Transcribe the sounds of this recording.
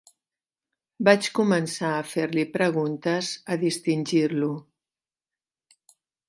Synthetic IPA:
bat͡ʃkumənsaəfeɾlipɾəɣunt̪əzəðist̪inʲʒiɾlu

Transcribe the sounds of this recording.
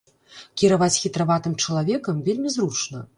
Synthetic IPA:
kʲiɾavat͡sʲxʲit̪ɾavat̪ɨmt͡ʂɐlˠavʲɛkɐmvʲelʲmʲizɾut͡ʂnɐ

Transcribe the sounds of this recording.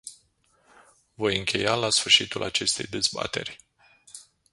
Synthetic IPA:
vo̞jɨŋkʲʰe̞jalasfɨrʃit̪ulʔat͡ʃe̞st̪e̞̰jd̪e̞zba̰t̪e̞̰rʲ

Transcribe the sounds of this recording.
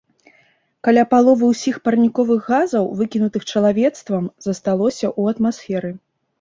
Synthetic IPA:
kalʲapalˠɔvɨwsʲixpɐrnʲikɔvɨɣɣazɐwvɨkʲinut̪ɨxt͡ʂɐlˠavʲɛt̪st̪vɐmzɐst̪alˠɔsʲɐʔuɐt̪masfʲɛɾɨ

